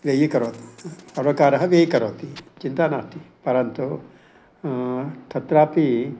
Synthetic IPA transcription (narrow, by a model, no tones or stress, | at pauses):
ʋeːjikɐɾoːt̪iɐɾʋɐkaːɾɐɦɐʋeːjikɐɾoːt̪it͡ʃint̪aːnaːʂʈ̪ipɐɾɐnt̪u | ʈʰɐt̪ɾaːpi